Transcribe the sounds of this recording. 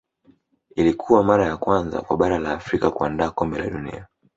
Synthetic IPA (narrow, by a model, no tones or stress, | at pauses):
ilikʰuwamaɾajakwanza̰kwaɓaɾalaːfɾikakuandaːkɔmbɛlaɗunḭa